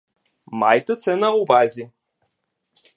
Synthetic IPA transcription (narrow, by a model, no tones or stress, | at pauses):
majt̪ət̪sɛnauvazʲi